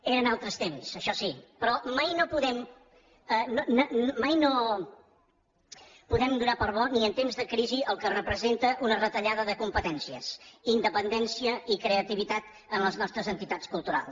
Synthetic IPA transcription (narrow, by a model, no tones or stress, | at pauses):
eɾənalˠt̪ɾəst̪emsəʃɔsipɾɔmajnopuðɛm | ənonomajno | puðɛmd̪unapəɾβɔniənt̪emzðəkɾiziəlˠkərəpɾəzent̪əʔunərət̪əʎaðəðəkumpət̪ɛnsiə̰sind̪əpənd̪ɛnsiəikɾeət̪iβit̪at̪ | ənləznɔst̪ɾəzənt̪it̪at͡skulˠt̪uɾa̰lˠs